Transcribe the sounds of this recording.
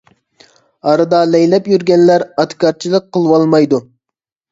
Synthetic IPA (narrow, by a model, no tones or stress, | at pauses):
ɑɾɨd̪ɑlɛjlɛpjyɾɡʲɛnlæɾɑt̪kʲɑɾt͡ʃʰilˠəq̚qʰːəlˠwɑlˠmɑjd̪u